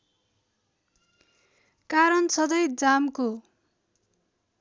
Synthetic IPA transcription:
kaɾʌnsʌd̪ʌjd͡zamko

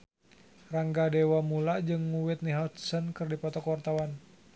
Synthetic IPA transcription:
raŋɡadɛwamulaʔd͡ʒɨŋːuwɪt̪̚niɦat̪̚sənkɨrdipɔt̪ɔkwart̪awan

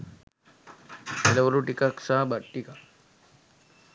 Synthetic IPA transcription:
elɐʋuɾuʈikɐksaːbɐʈːika

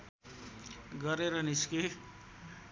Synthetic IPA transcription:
ɡʌɾeɾʌniske

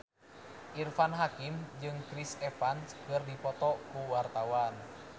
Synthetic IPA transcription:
ʔirfanɦakimd͡ʒɨŋkɾisɛfanskɨrdipɔt̪ɔkuwart̪awan

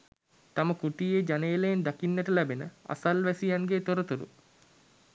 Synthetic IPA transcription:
t̪aməkuʈijed͡ʒanejləjend̪akinːæʈəlæbenəa̰salʋæsijanɡeːt̪oɾət̪uɾṵ

